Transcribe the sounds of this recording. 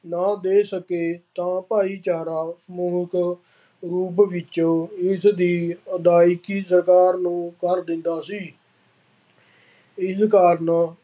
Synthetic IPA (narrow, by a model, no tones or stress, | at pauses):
naːd̪eːsəkeːt̪ãːpaːiːt͡ʃaːɾaːsmuːɦək | ɾuːp̬ʋɪt͡ʃːɪsd̪iːəd̪aːɪkiːsəɾkaːɾnũːkəɾd̪ɪnd̪aːsiː | ɪskaːɾnː